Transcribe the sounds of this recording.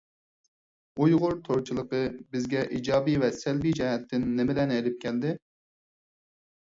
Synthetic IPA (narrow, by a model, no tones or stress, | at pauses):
ujʁʊɾt̪ʰoɾt͡ʃʰilˠəqəbɪzɡʲɛʔid͡ʒɑːbivɛsɛlbijd͡ʒɛɦɛt̪ʰːɪnːɪmɪlɛnɛjd̪ɪp̚kʲʰɛld̪ɪ